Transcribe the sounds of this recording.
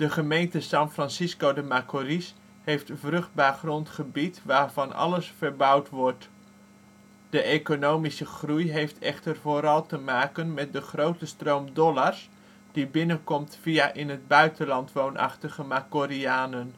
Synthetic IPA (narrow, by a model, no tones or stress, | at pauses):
d̥əχəmejntəsɑnfrɑnsiskowdəmakoris | hejftvrɵχd̚baːrχrɔntχəbitʋaːɹvɑnɑ̰ləsfəɹbʌwtʋɔɹt | d̥əʔekonowmisəχrujɦejftʰɛ̰χtərvoːɾɑlˠtəmaːkənmɛt̚dəχrowtəstrowmdɔlaɹs | d̥ibɪnənkɔmtfijaʔɪnɦəd̚bœɥtənlɑntʋownʔɑ̰χtəχəmakoɾiaːnən